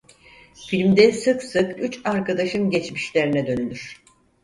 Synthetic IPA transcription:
filʲmd̪ɛsɯksɯkyt͡ʃaɾkad̪aʃɯnɟɛt͡ʃmiʃlʲeɾinɛd̪ø̞nylʲyɾ̥

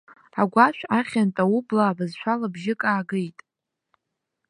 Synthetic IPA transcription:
aɡʷaʃʷᶣaχʲantʼaublaːbazʃʷʰalabʒɪkʼaːɡejtʼ

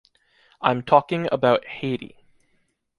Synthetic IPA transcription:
ʔãɪ̃mtʰɔkɪ̃ŋə̰baʊt̚heɪɾḭ

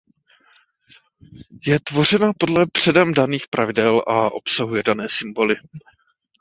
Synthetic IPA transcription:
jɛt̪vo̞r̝ɛnapo̞dlɛbr̝̥ɛdɛmdaniːxpɾʔavɪdɛlʔaʔo̞̰psaɦujɛdanɛːsɪmbo̞lɪ

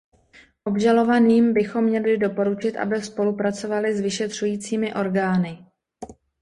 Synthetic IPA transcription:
ʔo̞bʒalo̞vaniːmbɪxo̞mːɲɛlɪdo̞po̞ɾut͡ʃɪt̪ʔa̰bɪspo̞lupɾat͡so̞valɪzvɪʃɛt̪r̝̥ujiːt͡siːmɪʔo̞ɾɡaːnɪ

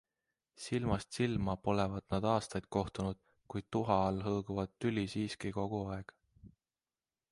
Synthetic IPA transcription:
silmɑst̪silmɑpo̞levɑd̪̥̚nɑd̪̥ɑːst̪ɑjd̪̥̚ko̞ht̪unud̪̥̚ | kujd̪̥̚t̪uɦɑɑlɦɤːɡ̥uvɑd̪t̪ːylʲisiːskiko̞ɡ̥uɑe̞ɡ̥

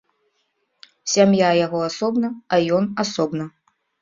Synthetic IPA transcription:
sʲamjajaɣɔasɔbnɐajɔnasɔbnɐ

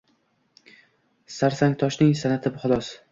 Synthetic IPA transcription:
saɾsaŋt̪ʰɒʃnɪŋsanat̪ʰɪbʊχʊlˠɒs

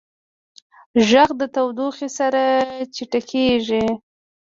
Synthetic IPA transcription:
ʒaɣd̪ət̪awd̪oxesaɾat͡ʃiʈakʰeʒi

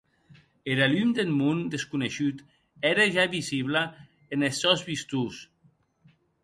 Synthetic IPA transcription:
eɾalymd̪enmund̪eskuneʃyt̪ | ɛɾaʒaβiziβla | enesːɔzβist̪us

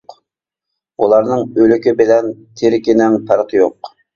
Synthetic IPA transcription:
q | ulˠɑɾnɨŋølykʲibɪlɛnt̪ʰeɾɪkʲinɪŋpʰɑɾqʰjo̰q

